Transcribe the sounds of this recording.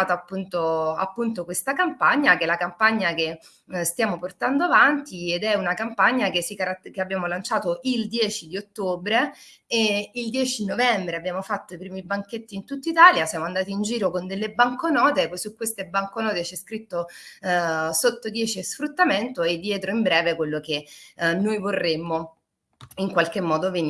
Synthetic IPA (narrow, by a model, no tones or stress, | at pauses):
t̪oapːunt̪oa̰pːunt̪okwest̪akampaɲːak̟elakampaɲːake | st̪jaːmoport̪and̪oavant̪ied̪ɛunakampaɲːakesikaɾat̪keabːjaːmolant͡ʃaːt̪oild̪jɛːt͡ʃid̪iot̪ːoːbɾe | eild̪jɛːt͡ʃinovɛmbɾeabːjaːmofat̪ːoipɾiːmibaŋket̪ːiːnt̪ut̪ːait̪aːljasjaːmoand̪aːt̪̬iːnd͡ʒiːɾokond̪elːebaŋkonɔːt̪esukːwest̪ebaŋkonɔːt̪et͡ʃiɛskɾit̪ːo | sot̪ːod̪jɛːt͡ʃiesfɾut̪ːament̪oed̪ːjɛːt̪ɾoimbɾɛːvekwelːokenːojvorːemːo | iŋkwalkemːɔːd̪oveni